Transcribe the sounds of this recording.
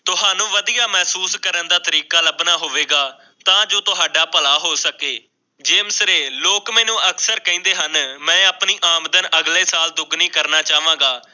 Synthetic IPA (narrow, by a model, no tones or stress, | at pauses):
t̪ʊɦaːnũːʋəd̪ijaːmɛːsuːskəɾənd̪aːt̪əɾiːkaːləbnaːɦoːʋeːɡaː | t̪ãːd͡ʒoːt̪ʊɦaːɖaːpəlaːɦoːsəkeː | d͡ʒeːmsɾeːloːkmɛ̃ːnũːəksəɾkəĩːnd̪eːɦənmɛ̃ːaːpniːʔaːmd̪ənəɡleːsaːld̪ʊɡnĩːkəɾnaːt͡ʃaːʋãːŋɡaː